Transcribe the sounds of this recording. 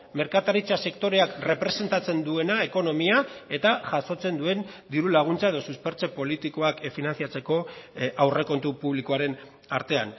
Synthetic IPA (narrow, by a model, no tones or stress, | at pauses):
me̞ɾkat̪aɾit͡sase̞kt̪o̞ɾe̞akre̞pɾe̞se̞nt̪at͡se̞nd̪ue̞naeko̞no̞miae̞t̪aʝaso̞t͡se̞nd̪ue̞nd̪iɾulaɣ̞unt͡sae̞ð̞o̞suspe̞ɾt͡se̞po̞lit̪iko̞akfinanθiat͡se̞ko̞awre̞ko̞nt̪upuβlikoaɾe̞n | aɾt̪e̞a̰n